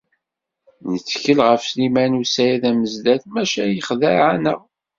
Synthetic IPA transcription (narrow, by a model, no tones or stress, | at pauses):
nət͡sːçəlʁəfslimænusæjæðæməzd̪æθmæʃæjəχðæʕanə̰ʁ